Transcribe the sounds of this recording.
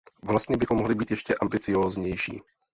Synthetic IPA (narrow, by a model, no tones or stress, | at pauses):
vlast̪ɲɛbɪxomoɦlɪbiːt̪jɛʃcɛʔambɪt͡sɪoːzɲɛjʃḭː